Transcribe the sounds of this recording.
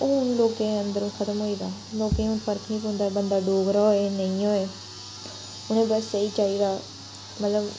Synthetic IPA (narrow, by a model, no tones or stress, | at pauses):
ʊnloːkẽːə̃nd̪əɾũːkʰət̪əmɦoːiːd̪aːloːkẽːɦʊnpəɾkʰnikɦõːnd̪aːbənd̪aːɖoːɡɾaːoeːnəĩːoːeː | ʊñẽːbəsːəiːd͡ʒaːiːd̪aː | mət̪ləb